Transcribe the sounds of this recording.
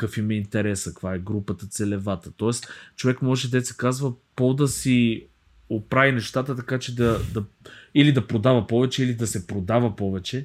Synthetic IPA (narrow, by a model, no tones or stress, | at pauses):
kɐkfimɐint̪ɛɾɛsɐkvaɛɡɾupət̪ət̪sɛlɛvat̪ət̪ɔɛst͡ʃovɛkmɔʒɛd̪ɛt̪sɛ̥kazvəpod̪ɐsi | opɾavinɛʃt̪at̪ət̪ɐkat͡ʃɛd̪ɐd̪ɐilid̪ɐpɾod̪avəpɔvɛt͡ʃɛilid̪ɐsɛpɾod̪avəpɔvɛt͡ʃɛ